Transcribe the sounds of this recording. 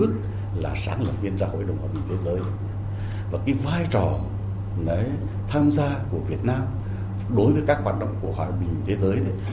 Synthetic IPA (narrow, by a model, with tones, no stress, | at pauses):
ɨ˦˥ək̚ | laː˨˩saː˨˦ŋlə˨˩p̚ɲi˧ənzaː˧ho̰˧˨jɗə˨˩wŋ͡mhaː˨˩ɓï̟˨˩t̪ʰe˨˦zəː˨˦j | vaː˨˩kaː˨˦jvaː˧jt͡ɕɔ˨˩ | nɔ˨˦j | t̪ʰaː˧mzaː˧ku˧˩əvi˨˩ət̚naː˧m | ɗo˨˦jvəː˨˦jka˦˥k̚hwaː˧˨˩t̚ɗə̰˧˨wŋ͡mku˧˩əhwaː˧˨˩ɓï˨˩ŋ˧t̪ʰe˨˦zəː˨˦jɗə˨˦